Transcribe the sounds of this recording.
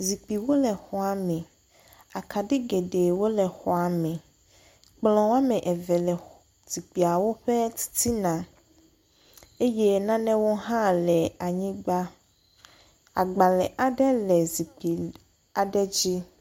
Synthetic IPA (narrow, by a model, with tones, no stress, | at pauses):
zi˨k͡pi˨wo˦lɛ˨xɔ˨a˨mɛ̃˨ | a˨ka˨ɖe˦ɡe˨ɖe˨wo˦lɛ˨xɔ˨a˨mɛ̃˨ | k͡plɔ̃˨wo˦a˦mɛ̃˨ʔɛ˨vɛ˨lɛ˨ | z̥i˨k͡pi˨a˨wo˦ɸɛ˦t̪i̥˦t̪ʰi˦nã˨ | e˦jɛ˦nã˦nɛ̃˦wo˦ɦã˦lɛ˨a˨ɲĩ˦ɡ͡ba˦ | a̰˨ɡ͡ba˨lɛ˨ʔa˨ɖɛ˦lɛ˨zi˨k͡pi˨ | a˨ɖɛ˦d͡ʑi˦